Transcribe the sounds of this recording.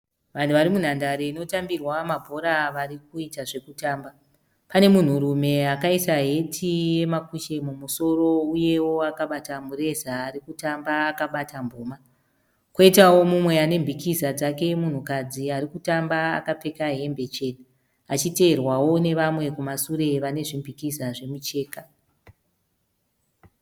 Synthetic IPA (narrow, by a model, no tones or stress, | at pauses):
ʋan̤uʋaɾimun̤andaɾeino̞tambirwamabʱo̞ɾaʋaɾik̚uitaʐe̞kutaːmba | pane̞mun̤uɾume̞akaisaɦe̞tʰije̞makuʃe̞mumuso̞ro̞uje̞wo̞akaɓatamuɾe̞zaːɾikutambaːkaɓatʰambʱoːma | kwoitawo̞mumwe̞ane̞mbʱikizad͡zake̞mun̤ukad͡ziaɾikutamba̰ːkap͡fe̞kaɦe̞mbe̞t͡ʃe̞t | at͡ʃite̞ːrwawo̞ne̞ʋamwe̞kumasuɾe̞ʋane̞ʐimbʱikizaʐe̞mut͡ʃe̞ːka